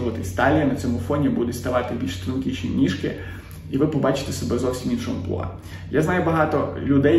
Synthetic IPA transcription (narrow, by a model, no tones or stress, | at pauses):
ʋɐt̪ɪsʲt̪ɑlʲijɐnɐt͡sʲɔmʊfɔnʲibud̪ʊst̪ɐʋɑt̪ɪbʲilʲʃst̪ɾʊnkʲit͡ʃʲnʲḭnʲiʃkɪ̰ | iʋɪpɔbɑt͡ʃɪ̥t̪esɔbɛzɔwsʲiminʃɔ̰mʊplˠɔ̰ɑ̰ | jaznɑjʊbɐɦɑt̪ɔlʲʊd̪ɛ